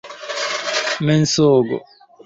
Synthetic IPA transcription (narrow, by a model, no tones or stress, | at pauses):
mɛnsoːɡo̰